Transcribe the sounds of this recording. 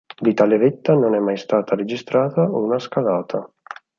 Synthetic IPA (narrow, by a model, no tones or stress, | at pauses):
d̪it̪aleɾɪt̪ːanonɛmːajst̪aːt̪ʰaɾed͡ʒist̪ɾaːt̪aunaskalaːt̪ʰa